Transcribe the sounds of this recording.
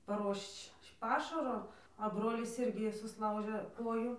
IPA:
pɐˈruɔʃt͡ʃ ˈpɑːʃɐroː ɐ ˈbroːlʲɪs ˈɪrʲɡʲɪ sʊsˈlˠɐʊʒʲeː ˈkoːjʊ

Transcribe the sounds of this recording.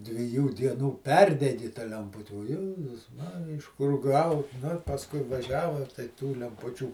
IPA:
dʲʋʲɪˈjuː ˈdʲiɛnuː ˈpʲɛrʲdʲɛɡʲɪ tɐ lʲɛmˈpʊtʲɪ oː ˈjæːzʊs ˈmɑːrʲɪjɛ ɪʃ kʊr ˈɡɐʊ nʊ ɪr pɐsˈkʊɪ ʋɐˈʒʲæːʋɐ tɐɪ tuː lʲɛmˈpʊt͡ʃʲuː

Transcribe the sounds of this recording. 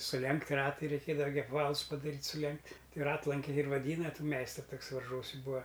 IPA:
sʊˈlʲɛŋktʲ ˈrɑːtɐɪ rʲɛɪˈkʲeːdɐʋɐ ɡʲɪ ɐpˈʋɑːlˠʊs pɐdɐˈrʲiːtʲ sʊˈlʲɛŋktʲ ˈtɐɪ ˈrɑːtlˠɐŋʲkʲɛɪ ɪr ʋɐˈdʲiːnɐ ˈtuː ˈmʲɛɪstrʊ ˈtʊks ʋɐrˈʒuɔsʲɪ ˈbuːɐ

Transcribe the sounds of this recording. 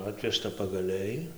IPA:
ˈɑːtʲʋʲɛʃtɐ pɐɡɐˈlʲɛɪ

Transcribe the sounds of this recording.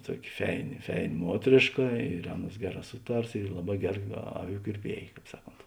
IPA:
ˈtuɔkʲɪ ˈfʲɛɪnʲɪ ˈfʲɛɪnʲɪ ˈmuɔtʲrʲeːʃkɐ ɪr ˈɑːˌnuɔs ˈɡʲæːˌrɑː ˈsʊˌtɐrs ɪr ˈlˠɑːˌbɑː ˈɡʲæːˌrɐ ˈɑːˌʋʲuː kʲɪrʲˈpʲiɛj ˈkɑːp ˈsɑːˌkoːnt

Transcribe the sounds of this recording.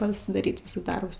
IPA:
pɐsʲɪdɐˈrʲiːt ˈʋʲɪsʊs ˈdɐrbʊs

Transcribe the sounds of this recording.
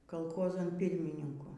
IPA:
kɐlˠˈxoːzɐn ˈpʲɪrʲmʲɪnʲɪŋkʊ

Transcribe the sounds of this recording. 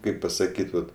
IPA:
ˈkɐɪp pɐsɐˈkʲiːt ˈʋɐt

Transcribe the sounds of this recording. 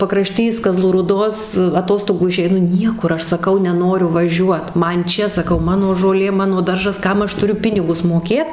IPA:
pɐkrɐˈʃʲtʲiːs kɐˈzlˠuː ruːˈdoːs ɐˈtoːstoːɡuː ɪʃʲɛɪˈnʊ ˈnʲiɛkʊr ˈɐʃ sɐˈkɐʊ nʲɛˈnoːrʲʊ ʋɐˈʒʲuɔt ˈmɐn ˈt͡ʃʲɛ sɐˈkɐʊ ˈmɑːnoː ʒoːˈlʲeː ˈmɑːnoː ˈdɐrʒɐs ˈkɐm ɐʃ tʊˈrʲʊ ˈpʲɪnʲɪɡʊs moːˈkʲeːt

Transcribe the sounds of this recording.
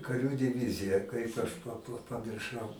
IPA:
kɐˈrʲuː dʲɪˈʋʲɪzʲɪjɛ ˈkɐɪp ɐʃ pɐ pɐ pɐmʲɪrˈʃɐʊ

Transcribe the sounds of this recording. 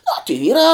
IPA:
nʊ tʲɪ ˈʋʲiːrɑː

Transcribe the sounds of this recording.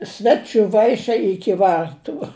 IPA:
ˈsʲʋʲæːt͡ʃʲʊ ˈʋɐɪʃʲɛɪ ˈɪkʲɪ ˈʋɐrtʊ

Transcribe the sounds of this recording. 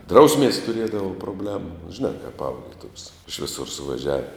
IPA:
ˈdrɐʊsʲmʲiɛs tʊˈrʲiɛdɐʋoː proːˈbʲlʲæːmʊ ʒʲɪˈnɑː kɐp ˈɐʊklʲiɛ tuɔkʲs ɪʃ ʋʲɪˈsʊr sʊʋɐˈʒʲæːʋʲɪ

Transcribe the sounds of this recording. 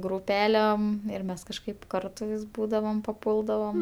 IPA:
ɡruːˈpʲæːlʲɛm ɪr ˈmʲɛs kɐʃˈkɐɪp ˈkɐrtʊ ʋʲɪs ˈbuːdɐʋoːm pɐˈpuːlˠdɐʋoːm

